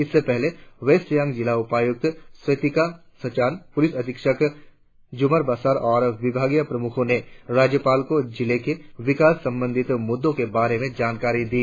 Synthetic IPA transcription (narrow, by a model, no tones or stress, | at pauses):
ɪsːepɛɦleʋeːsjãŋɡd͡ʒɪlaʊpaːjʊk̚t̪sɐt̪ɪka | sɐt͡ʃaːnpʊlɪsɐd̪ɪkʃək | d͡ʒʊməɾbaːsaːɾɔːɾʋɪbʱaːɡjapɾɐmʊkʰõneɾaːd͡ʒjəpaːlkod͡ʒɪlekeʋɪkaːsːɐ̃mbə̃nd̪ʱɪt̪mʊd̪ːõkebaːɾemẽd͡ʒaːnkaːɾid̪iː